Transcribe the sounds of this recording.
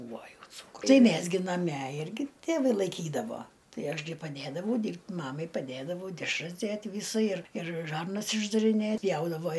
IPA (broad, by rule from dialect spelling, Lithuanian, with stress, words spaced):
ˈbuːʋoː ˈjɛʊ ˈt͡suːkrʊ ˈmʲæs ɡʲɪ nɐˈmʲɛ ˈɪrʲɡʲɪ tʲeːˈʋɐɪ lˠɐɪˈkʲiːdɐʋoː ˈtɐɪ ˈɐʃ ɡʲɪ pɐˈdʲeːdɐʋɐʊ ˈdʲiːrʲpʲtʲ ˈmɑːmɐɪ pɐˈdʲeːdɐʋɐʊ dʲɛʃˈrɐs ˈdʲeːtʲ ˈʋʲiːsɐ ɪr ɪr ˈʒɐrnɐs ɪʒdɐrʲɪˈnʲeːt ˈpʲjɛʊdɐʋoː